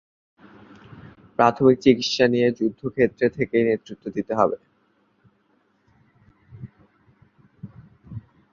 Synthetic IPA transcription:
pɾat̪ʰomik̚t͡ɕikit̪ʃanied͡ʑud̪ʱːokʰet̪ːɾet̪ʰekejnet̪ːɾit̪ːod̪it̪eɦɔbe

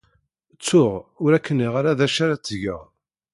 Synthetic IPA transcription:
t͡sːʊʁʊɾækːənːiʁaɾaðæʃaɾat͡sːʝə̰ʁ

